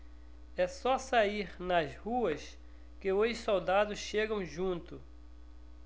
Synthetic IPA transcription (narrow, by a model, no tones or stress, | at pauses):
ɛsɔsaiɾnɐzhuɐs | kɪojsowd̪ad̪ʊsʃeɡɐ̃w̃ʒũnt̪ʊ